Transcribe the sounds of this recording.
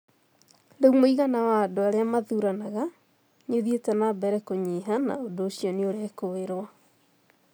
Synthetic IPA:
ndeumoiɣanawadoaɾeamaðuɾanaɣa | ɲoðietɛnabɛɾɛkoɲiɦana̰odoːɕjɔneoɾɛkoeɾwa

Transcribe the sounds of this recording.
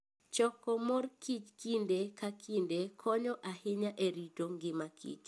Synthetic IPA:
t͡ʃɔkɔmɔrkit͡ʃkindekakindekʰɔɲɔʔahɪɲaʔeɾitoŋɡɪmakḭt͡ʃ

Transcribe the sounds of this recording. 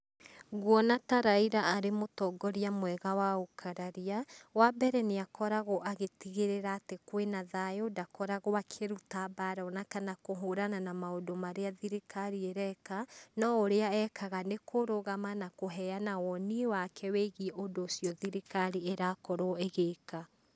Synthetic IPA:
ɣwɔnataɾaiɾaaɾemotɔɡɔɾiamwɛɣawaokʰaɾaɾiawabɛɾɛneakʰɔɾaɣɔʔaɣetiɣeɾeɾaːtekwenaðajodakɔɾaɣoakʰeɾutabaɾɔnakanakoɦoɾananamaodomaɾeaðiɾikaɾieɾɛkanɔoɾeaɛkaɣanekoɾoɣamanakoɦɛanawɔniwakʰɛweɣʔodoːsjɔðiɾikaɾieɾakɔɾoeɣeːka

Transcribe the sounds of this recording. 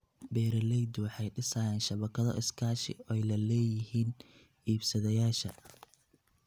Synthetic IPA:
bɛːɾɐlɛjd̪ʊwɑħɑjɖɪsajaːnʃɐβɐkʰɐðɔ̰ʔɪskʰaːʃɪ̰ɛjlɐlɛːjɪɦiːn | iːbsɐðɐjaːʃɐ

